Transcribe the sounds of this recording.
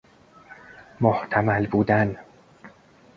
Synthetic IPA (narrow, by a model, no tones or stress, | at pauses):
moht̪ʰæmælbuːd̪æn